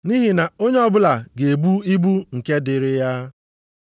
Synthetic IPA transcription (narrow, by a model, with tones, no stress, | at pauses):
ni˦ɦi˨na˨o˦ɲe˦ɔ˦bʊ˦la˨ɡe˨bu˦i˦bu˦ŋ̩˨ke˦dɪ˨ɾɪ˦ja˦